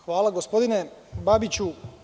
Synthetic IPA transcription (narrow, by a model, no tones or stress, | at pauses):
xʋaːlˠaɡo̞spo̞d̪inebabit͡ɕu